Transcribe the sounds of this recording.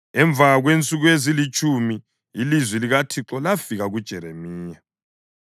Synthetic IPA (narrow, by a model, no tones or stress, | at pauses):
ɛɱb̪vʱaɣwent͡sʼuɣwezilit͡ʃʰʼumiː | lizwiliɣatʰiǁɔlafiɣaɣud̥ʒ̥ʱɛɾemiiːja